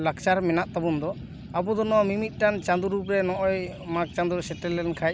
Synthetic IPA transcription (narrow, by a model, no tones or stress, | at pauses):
lak̚t͡ʃaɾmɛnaʔ̚t̪abund̪ɔ | abud̪ɔnɔmimit̪̚ˀʈant͡ʃand̪uɾupɾɛnɔʔɔjmak̚t͡ʃand̪uɾsɛʈɛlːɛnkʰaj